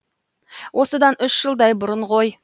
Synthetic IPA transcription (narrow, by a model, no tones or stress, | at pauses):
wʔo̞səd̪ɑnʏʃʒ̥əlˠd̪ɑjbʊɾəɴʁo̞j